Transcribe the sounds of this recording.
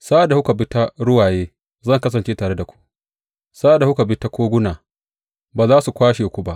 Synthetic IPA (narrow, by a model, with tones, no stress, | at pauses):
saː˦da˨hʊ˦ka˨bɪ˦ta˦ɾʊ˦waː˨jeː˦ | zɐ˦˨ŋkɐ˦s̬ɐ˨nt͡ʃeː˦taː˨ɽe˦da˨kʷu̥˦ | saː˦da˨hʊ˦ka˨bɪ˦ta˦kʷoː˦ɡʷʊ˦naː˨ | baː˨zaː˦su˨kʷaː˦ʃeː˨kʷu˦ba˦ʔ